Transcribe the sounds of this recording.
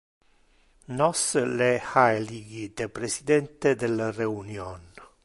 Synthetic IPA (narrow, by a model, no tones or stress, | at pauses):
nɔslɛhaeliɡid̪epɾesid̪ɛnt̪ed̪elareunjɔn